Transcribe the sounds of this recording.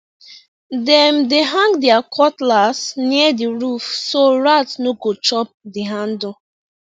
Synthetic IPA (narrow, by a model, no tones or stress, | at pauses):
dɛmdeɦãŋɡdɛakʰɔtlasniadiɹufsoɹatnoɡot͡ʃɔp̚diɦãndɔ